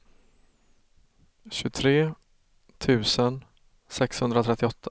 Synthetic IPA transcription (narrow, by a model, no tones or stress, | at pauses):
ɕɵt̪ʰɾeː | t̪ʰʉ̟ːsən | sɛkshɵnd̪ɾat̪ʰɛt̪ːɪɔt̪ʰː